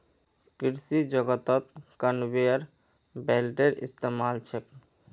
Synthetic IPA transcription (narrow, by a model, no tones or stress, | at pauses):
kiɾsid͡ʑoɡat̪ɔt̪̚kanbeaɾ | belʈeɾʔḭst̪emalt͡ɕʰek̚